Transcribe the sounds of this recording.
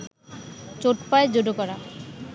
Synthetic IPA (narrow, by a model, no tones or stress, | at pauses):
t͡ɕoʈpaed͡ʑoɖokɔɾa